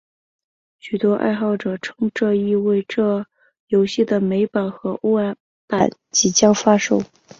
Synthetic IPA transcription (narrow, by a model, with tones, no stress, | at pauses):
ɕy˨˩t̪wɔ˥ʔa̰˥˧ɪxɑ˥˩ʊʈ͡ʂɤ˨˩ʈ͡ʂʰɤ˥ŋʈ͡ʂɤ˥˧i˥˧we˥˧ɪʈ͡ʂɤ˥˩ | jo˧˥ʊɕi˥˩d̪ə˩me˧˥ɪpa˨˩nxɤ˧˥ʔo˥a˧˥ | pa˨˩˦nt͡ɕi˧˥t͡ɕjɑ˥ŋfa˥ʂo˥˩ʊ